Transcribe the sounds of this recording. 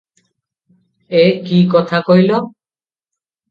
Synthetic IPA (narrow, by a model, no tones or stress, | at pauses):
ekikɔt̪ʰakojlo